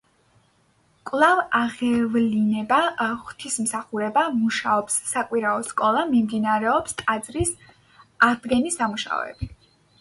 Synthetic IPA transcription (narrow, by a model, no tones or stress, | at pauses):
kʼlˠavaʁɛvlinɛbaχt̪ʰismsaχuɾɛbamuʃaɔpsːakʼwiɾaɔskʼɔlˠamimd̪inaɾɛɔpst̪ʼad̪zɾis | aʁd̪ɡɛnisamuʃa̰ɔ̰ɛ̰b̥i